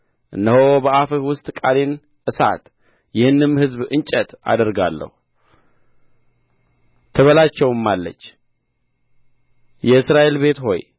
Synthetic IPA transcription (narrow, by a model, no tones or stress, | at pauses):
ʔɨnːəhobəafəhwʊst̪ʼkʼalen | ʔɨsa̰t̪ | jɪhɨnːɨmhɨzbɨnt͡ʃʼət̪a̰d̪əɾɡalːə̰hu | t̪ʰəβəlat͡ʃːɛwmːalːə̰t͡ʃː | jɛɨsɾaʔe̞lbe̞t̪ho̞̰j